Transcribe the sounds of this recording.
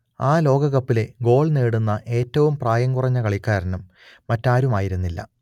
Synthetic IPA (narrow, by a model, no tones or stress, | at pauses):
aːlo̞ːɡɐɣɐpːile̞ɡo̞ːɭneːɽunːɐʔe̞ːtːɐʋumpraːjɐŋkurɐɲːɐkɐɭikːaːɾɐnumː | ɐtːaːɾumaːjiɾunːilːɐ̰